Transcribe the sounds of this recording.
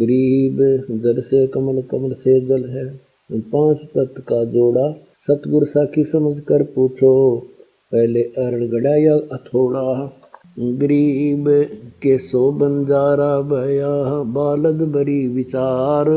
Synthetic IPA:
ɡəɾiːbd͡ʒəlsekəməlkəməlsed͡ʒəlɦɛ | pãːt͡ʃt̪ət̪kad͡ʒoːɽa | sɐt̪ɡʊɾsaːkisəməd͡ʒʱkəɾpuːt͡ʃʰoː | pɛɦleʔəɾəɽɡəɽaːjaːət̪ʰoːɽaːɦ | ɡəɾiːbkesoːbənd͡ʒaːɾaːbəjaːɦbaːləd̪bəɾiʋɪt͡ʃaːɾ

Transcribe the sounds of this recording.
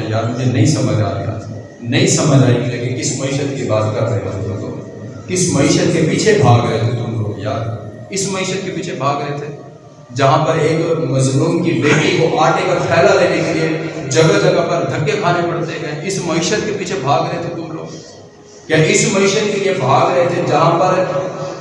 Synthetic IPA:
jaːɾmʊd͡ʒʱenɐĩsɐməd͡ʒʱa̰ːɾɐ̰ja̰ | nɐĩsɐməd͡ʒʱaːikilɐɡekɪsmɐɪʃət̪kibaːzɡaːɾkɐɾna̰zkɐt̪o̰ː | kɪsmɐɪʃət̪kepiːt͡ʃʰebʱaːɡɾɐɦet̪ʰet̪ʊmlo̰ːɡjaːɾ | ɪsmɐɪʃət̪̚kepiːt͡ʃʰebʱaːɡɾɐɦet̪ʰe | d͡ʒɐɦãpɐɾeːkmɐznuːnkileːʈikoʔaːʈnekɐɾpʰɛːlaleːnekelied͡ʒɐɡəd͡ʒɐɡəpɐɾd̪ʱɐkːekʰaːnepɐɽt̪ekɐ̃ɪsmɐɪʃət̪kepiːt͡ʃʰebʱaːɡɾɐɦet̪ʰet̪ʊmlo̰ːɡ | kjaːɪsmɐɪʃət̪̚keliebʱaːɡɾɐɦet̪ʰed͡ʒɐɦãpɐɾ

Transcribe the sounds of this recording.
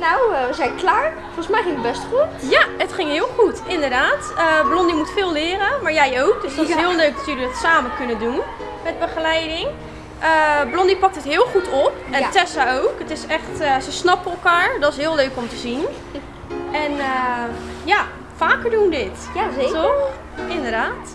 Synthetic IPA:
nawʋəzɛjnklaːɹ | fɔlˠsmɛjχɪŋəbɛstχutjaətχɪŋɦɪːlˠχutɪndəɹdaːtəblɔndimutfɪːlˠlɪːɾəmaːɹjɛjowk̚dəsdɔtɪsɦɪəlˠløɥk̚dɔtjələdɔtsaːməkɵnədun | mɛd̚bəχəlɛjdɪŋ | ʔəblɔndipɑk̚tətɦɪːlˠχutʰɔp̚ɛntɛsaowkətɪsɛχtəsəsnɑpəɛlˠkaːɹdɔtɪsɦɪːəlˠøɥkɔmtəzin | ɛnəja | faːkəɹdundɪt | ttɔx | ɪndəɹdaːt

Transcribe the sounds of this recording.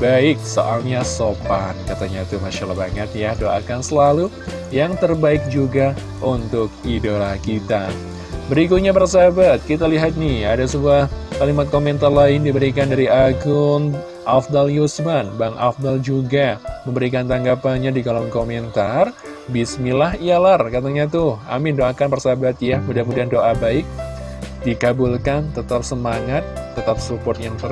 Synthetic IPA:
baɪk̚so̰ʔalɲasopat̪̚kat̪aɲat̪umaʃalabaŋət̪̚jadoa̰kansəlalu | jaŋt̪ərbaɪk̚d͡ʒuɡa | unt̪ʊkidolakit̪a | bəɾikut̪̚ɲapərs̬abat̪̚kit̪aliɦat̪̚nɪhadasəbuahkalimat̪̚komɛnt̪arlaɪndibəɾikandaɾiʔaɡʊn | ʔafd̪aljusbanbaŋʔa̰fd̪ald͡ʒuɡaməmbəɾik̬ant̪aŋɡapanɲadiɡalɔŋkomɛnt̪ar | bismilaɦijalarkat̪aɲat̪ʊha̰mɪndoakanpərsabat̪̚jamudakmudiandoʔabaɪk̚ | dikabulkant̪ət̪ap̚səmaŋat̪ːət̪ap̚supɔrt̪̚jaŋt̪ər

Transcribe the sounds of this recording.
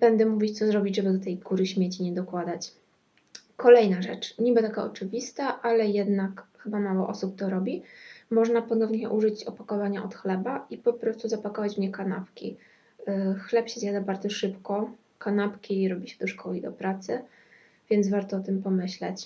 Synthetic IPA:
b̥ɛnd̪ɛmuvʲit͡ɕt̪sɔzɾɔbʲid͡ʑʐɛbɘd̪ɔt̪ɛjɡuɾɘɕmʲjet͡ɕiɲɛd̪ɔkwad̪at͡ɕ | kɔlɛjnaʐɛt͡ʂɲibɘt̪akaɔt͡ʂɘvʲist̪aʔalɛjɛd̪nakxɘbamawɔ̰ʔɔsup̚t̪ɔɾɔbʲimɔʐnapɔnɔvɲɛjɛ̰ʔuʐɘt͡ɕɔpakɔvaɲaʔɔt̪xlɛbaipɔpɾɔst̪uzapakɔvat͡ɕmɲɛkana̰pkʲḭ | xlɛpɕɛzjad̪abaɾd̪zɔʂɘpkɔ | kanapkʲiɾɔbʲiɕɛ̥d̪ɔʂkɔlʲid̪ɔpɾat̪sɘ | vʲjɛnvaɾt̪ɔɔt̪ɘmpɔmɘɕlɛ̰t͡ɕ

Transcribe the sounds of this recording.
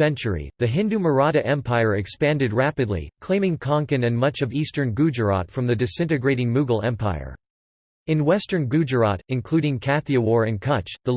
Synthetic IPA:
ɛ̃nt͡ʃə˞ḭðɨɦɪ̃ndʉmə˞ɑɾɨʔɛ̃mpʰaɪə˞ɨkspæ̃ndɨd̚ɹæpɨdˡlḭkʰl̥ẽɪ̃mɪ̃ŋkʰɑ̃ŋkɨ̃nɨ̃nmʌt͡ʃʌvistə̃˞nɡʉd͡ʒə˞ɑ̰tfɹʌ̃mðɨdɨsɪ̃ntɨɡɹeɪɾɪ̃ŋmʉɡl̩ˠɛ̃mpʰaɪə̰˞ | ɨ̃nwɛstə̃˞nɡʉd͡ʒə˞ɑ̰ɾɨ̃nkʰl̥ʉɾɪ̃ŋkʰæθiɨwɔɹɨ̃nkʰʌt͡ʃðə

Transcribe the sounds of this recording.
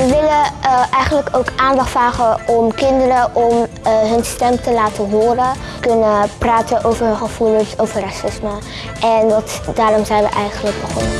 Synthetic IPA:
ʋəʋɪləʔɛjχənləkowkʔaːndɑχtfraːχəɔmkɪndəɾəʔɔm | ɦɵnstɛmtəlaːtənɦoːrə | kɵnəpraːtəʔowvəɹɦnχəv̥ulənsowvəɹrɑsɪsmə | ʔɛndɑtdaːɾɔmzɛjnʋə̰ʔɛjχənləɡ̚bəχɔ̰n

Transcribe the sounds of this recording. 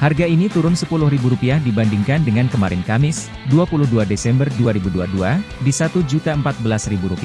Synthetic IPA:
harɡainit̪uɾʊnsəpulʊhribuɾupiahdibandiŋkandəŋankəmaɾɪ̰nkamɪs | duapulʊhduadesɛmbərduaɾibudua̰duadisat̪ud͡ʒut̪aəmpat̪̚bəlasribuɾupia

